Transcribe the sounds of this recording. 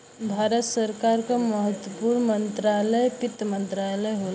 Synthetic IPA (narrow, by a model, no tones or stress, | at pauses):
bʱaːɾət̪səɾkaɾkaməɦət̪wəpuɾnmənt̪ɾalɛjpɪt̪ːmə̃nt̪ɾalɛɦol